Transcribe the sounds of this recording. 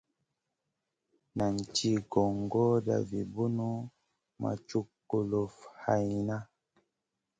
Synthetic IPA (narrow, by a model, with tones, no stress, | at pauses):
na˨n˨t͡ʃi˦ɡɔ˨ŋɡɔ˦da̰˨vi˨bu˦nu˦ | ma̰˨t͡ʃu˦kːo˨lo˨fha˨i˨na˦